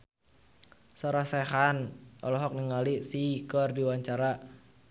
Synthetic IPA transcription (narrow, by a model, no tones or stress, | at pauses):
sɔɾasɛɦanʔɔlɔɦɔk̚niŋalisikɔrdiwaɲt͡ʃaɾa